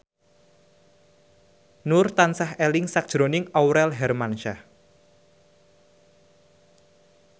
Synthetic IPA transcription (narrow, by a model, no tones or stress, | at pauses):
nʊrt̪ansahɛlɪŋsak̚ʒ̥ɾonɪŋawɾɛlɦɛrmanʃa